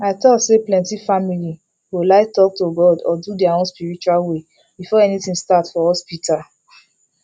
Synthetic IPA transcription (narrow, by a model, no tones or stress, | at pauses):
aɪtɔtseplɛ̃ntifamili | holaɪtɔk̚toɡɔdɔdudiaõnspiɹit͡ʃualwe | b̥ifɔɛnitĩstatfɔɔspita